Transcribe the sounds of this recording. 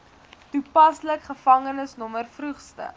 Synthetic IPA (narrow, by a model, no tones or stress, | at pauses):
tupɐsləkχəfɐŋənəsnɔmərfrʉχstə̰